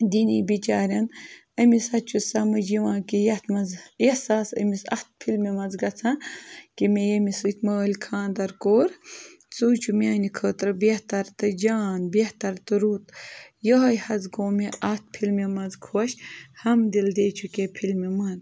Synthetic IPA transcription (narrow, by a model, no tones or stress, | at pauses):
d̪inibit͡ʃaːɾʲɐn | ɐmisɐt͡ʃʰusɐmɨd͡ʒiʋãːkijɐt̪mɐzesaːsɐ̰misɐ̰ht̪̚pʰilmimɐnzɡɐt͡sʰãkimejɐmisɨːt̪ʲməːlʲkʰãːnd̪ɐɾkoːɾ | t͡suːt͡ʃʰumʲaːnikʰəːt̪ɾɨbeht̪ɐɾt̪ɨd͡ʒaːnbeht̪ɐɾt̪ɨɾuːt̪joɦɐjhɐzɡoːmeʔɐt̪̚pʰilmemɐzkʰoːʃhɐmd̪ild̪eːt͡ʃʰukepʰilmimɐn